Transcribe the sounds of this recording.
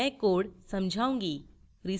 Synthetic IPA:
ɛ̃koːɽsəmd͡ʒʱaũŋɡi | ɾi

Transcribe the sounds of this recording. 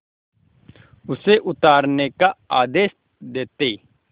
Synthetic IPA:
ʊseʔʊt̪aːɾnekaaːd̪eːʃ | d̪eːt̪eː

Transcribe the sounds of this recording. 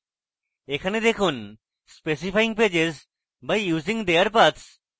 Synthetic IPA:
ekʰaned̪ekʰun | spes̬ifajĩŋped͡ʑez | bajjuːzĩŋɡd̪eəɾpat̪s

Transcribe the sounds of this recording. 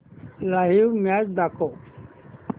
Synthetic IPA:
laɦimad͡ʒd̪ako

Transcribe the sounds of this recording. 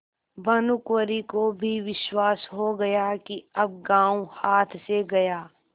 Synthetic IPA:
bɐnʊkwəɾikobʱiʋɪʃwaːsɦoɡɐjakiɐb̚ɡãːũhaːt̪ʰseɡɐjaː

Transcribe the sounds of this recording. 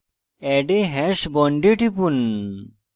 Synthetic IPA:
ɛɖeɦɛʃbɔɳɖeʈipun

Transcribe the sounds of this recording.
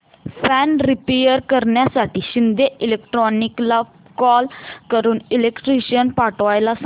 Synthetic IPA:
pʰɛːnɾɪpejəɾkəɾɳjasaːʈiʃɪnd̪eʔɪleːk̚ʈɾɔːnɪkla | kɔːlkəɾuːnɪlekʈɾiːʃənpaːʈʋaːjlas

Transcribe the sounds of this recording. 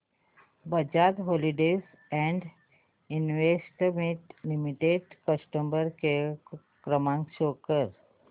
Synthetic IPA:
bəd͡ʑat̪ɦoliɖes | ɛ̃ɳɖ | inʋesʈmiʈlimiʈeɖkəsʈəmbəɾke | kɾəmãŋkɕokəɾ

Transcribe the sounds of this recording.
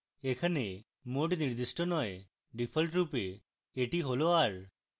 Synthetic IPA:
ekʰane | moʈniɾd̪iʃʈonɔe | ɖipʰəlʈɾupe | eʈiɦoloaɾ

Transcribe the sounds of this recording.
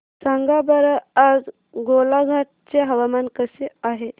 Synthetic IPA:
saŋɡabəɾəad͡z | ɡolaɡʱaʈ̚t͡seɦəʋamankəseaɦe

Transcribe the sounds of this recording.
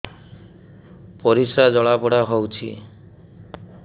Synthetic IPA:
pɔɾisad͡ʒɔɭapɔɽaɦɔwt͡ʃʰḭ

